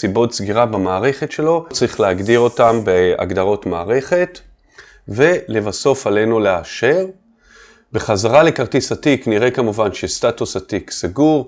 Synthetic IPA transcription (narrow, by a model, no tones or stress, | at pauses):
sibo̞tsɡiʁabamaːʁe̞χetʃe̞lo̞t͡saʁiχleaɡdiʁo̞tambea̰ɡd̪aʁo̞tmaːʁe̞χe̞t | ve̞levaso̞fale̞nuleaʃe̞ʁ | beχazaʁale̞kaʁt̪isatikniʁe̞kamuvanʃestatusatiksaɡuʁ